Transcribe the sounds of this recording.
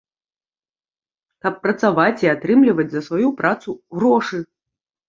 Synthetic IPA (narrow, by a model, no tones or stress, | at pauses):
kɐpːɾɐt̪savat͡sʲiat̪ɾɨmlʲivɐd͡zʲzɐsvajupɾʔat̪suɣɾɔʂɨ